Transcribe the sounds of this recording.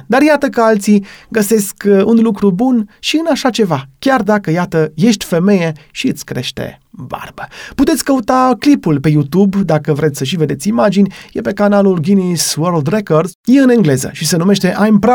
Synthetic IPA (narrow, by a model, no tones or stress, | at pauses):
d̪arjat̪əkəalt̪siɡəse̞skunlukɾubunʃiɨnaʃat͡ʃe̞vakʲard̪akəjat̪əje̞ʃt̪ʲfe̞me̞je̞ʃiɨt̪sʲkɾe̞̰ʃt̪ḛba̰rbəput̪et̪sʲkəut̪aklipulpe̞jut̪ubd̪akəvɾʔet̪sʲsəʃ̬ive̞d̪et̪sʲimad͡ʒinʲjepe̞kanalulɡʲiniswəɾld̪rekord̪zjeɨneŋɡle̞zə̰ʃise̞nume̞ʃt̪e̞ʔajmpɾ